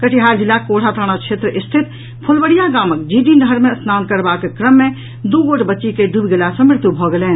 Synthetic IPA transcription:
kəʈʰiɦaːɾd͡ʒɪlːakoːɽ̤ʰat̪ʰaːɽ̃at͡ʃʰeːt̪ɾəʔɪst̪ʰɪt̪ | pʰʊlbəɽijaɡaːmək̚d͡ʒiɖinəɦəɾmẽsnaːnkəɾbakekɾəmːẽ | d̪uɡoːʈbətːʃikeɖubɡelasə̃mɪɾt̪ubʱɔɡeleːn

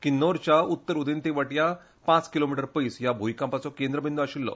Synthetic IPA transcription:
kinːoɾt͡ɕjaut̪ːəɾud̪int̪iʋəʈja | pãt͡skilomiʈəɾpəisjabʱumikãmpat͡sɔkẽnd̪ɾəbind̪uaɕilːɔ̰

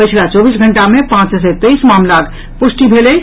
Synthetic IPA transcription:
pət͡ʃʰlat͡ʃɔːbiːs̬ɡʱə̃ɳʈamẽpãːt͡ʃs̬et̪eismaːmlak | pʊsʈibʱeːle

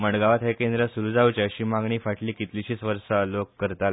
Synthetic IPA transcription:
məɳɖɡaʋat̪ɦekend̪ɾəsuɾud͡zawt͡ɕeəɕiːmaɡɳiːfaʈliːkit̪liɕiːt͡sʋəɾʂalokːəɾt̪a

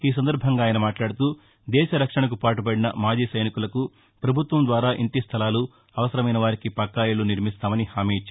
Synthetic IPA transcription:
iːs̬ɐnd̪ɐɾbʱɐŋɡaːjɐnɐmaːʈlaːɽut̪uː | d̪ɛːʃɐɾɐkʂɐɳɐk̬upaːʈup̬ɐɽinɐ̰maːd͡ʒiːsɐjnikulɐku | pɾɐbʱut̪ʋɐmnd̪ʋaːɾaːʔiɳʈist̪ʰɐlaːlu | ɐʋɐsɐɾɐmɐjnɐʋaːɾikipɐkːaːjɐluniɾmist̪aːmɐnihaːmiːt͡ʃ

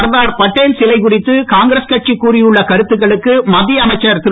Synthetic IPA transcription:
ɾðaːɾpɐʈːeːlsɪlɐɪkʊrɪt̪ːɯkaːŋɡɪɾɐskɐʈ̚t͡ʃikːuːɾɪjɯɭːɐkɐɾɯt̪ːɯɣɐɭɯkːɯmɐðɪjɐmɐɪt͡ʃːɐɾt̪ɪ

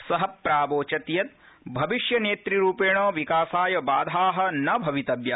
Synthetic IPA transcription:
sɐɦɐpɾaːboːt͡ʃɐt̪jɐt̪̚ | bʱɐʋiʃjɐneːt̪ɾiɾuːpeːɳoːʋikaːsaːjɐbaːd̪ʱaːɦɐ̆nɐbʱɐʋit̪ɐbjɐ

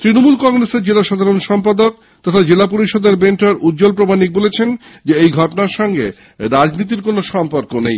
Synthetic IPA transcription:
t̪ɾinomulkɔŋɾeseɾd͡ʑelaʃad̪ʱaɾonʃɔmpad̪ok | t̪ɔt̪ʰad͡ʑelap̬oɾiʃɔd̪eɾbenʈʰaɾud̪̚d͡ʑolp̬ɾomanik̚bolet͡ɕʰend͡ʑeejɡʱɔʈonaɾʃɔŋɡḛ | ɾad͡ʑnit̪̬iɾkonoʃɔmpoɾkonḛj

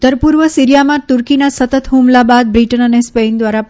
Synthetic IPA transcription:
t̪əɾpuɾʋəsiɾijamãt̪uɾkinasət̪ət̪ɦũmlabad̪̚bɾiʈənənespend̪ʋaɾa

